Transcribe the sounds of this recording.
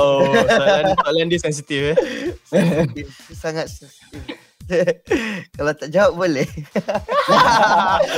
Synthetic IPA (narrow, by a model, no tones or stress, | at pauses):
o | tɔʔlandisɛns̬it̪if | ɛt̪usaŋat̪̚sɛnsi̥t̪if | kalawt̪aʔd͡ʒawap̚bolɛh